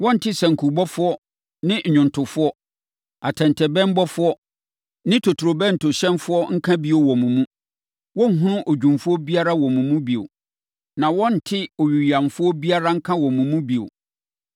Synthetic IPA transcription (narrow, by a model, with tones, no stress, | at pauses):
wɔ̃˦n̩˨tʰɪ˦sɛ̃˨ŋ̩˨kʰu˨bɔ˦fʊ˦ɔ˦ | nɪ̃˦˨ɲʊ̃˨ntʰʊ˨fʊ˦ɔ˦ | a˨tʰɛ̃˨ntʰɛ˨bɛ˦m˦bɔ˦fʊ˦ɔ˦ | nɪ̃˦tʰo˨tʰu˨ɾo˨bɛ̃˦n̩˨tʰʊ˨ɕɛ̃˦nfʊ˦ɔ˦ŋ̩˦kʰã˦bi˦o˨wɔ̃˨mũ˨mũ˦ | wɔ̃˦ŋ̩˦˨ɦũ˦nʊ̃˦ʔo˨d͡ʑᶣũ˨mfʊ˦ɔ˦bi˦a˦ɾa˦wɔ̃˨mũ˨mũ˦bi˨o̰˨ | nã˨wɔ̃˦n̩˨tʰɪ˦o˨ɥi˨ɥi˨ã˨mfʊ˦ɔ˦bi˦a˦ɾa˦ŋ̩˦kʰã˦wɔ̃˨mũ˨mũ˦bi˨o̰˨